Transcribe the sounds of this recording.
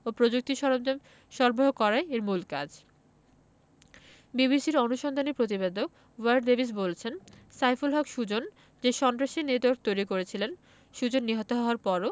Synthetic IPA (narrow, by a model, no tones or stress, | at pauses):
opɾod͡ʑuk̚t̪iʃɔɾd͡ʑ | ʃɔɾboɦokɔɾaeeɾmulka̰d͡ʑ | biβisiɾonuʃɔnd̪ʱanipɾot̪̬ibed̪ok̚ | waɾɖd̪ebʱis̬bolt͡ɕʰensajfulɦɔkʃud͡ʑon | d͡ʑeʃɔnt̪ɾaʃined̪ok̚t̪ojɾikoɾet͡ɕʰilen | ʃud͡ʑonːiɦot̪oɦɔoaɾpɔɾo